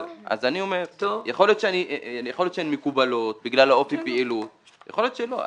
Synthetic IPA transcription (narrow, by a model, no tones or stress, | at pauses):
ʔa̰zaniomeʁt̪ojaχo̞lio̞t̪ʃeaninijexoljotʃeenimekubalot̪̚biɡlalao̞fipiilut̪ | ja̰χoljot̪ʃelo̰